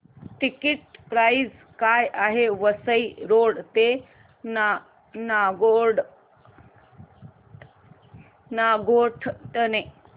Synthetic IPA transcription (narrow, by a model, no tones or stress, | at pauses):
ʈikiʈ̚pɾaiz | kajʔaɦeʋəsəiɾoɽt̪e | na | naɡoɽ | naɡoʈʰʈəne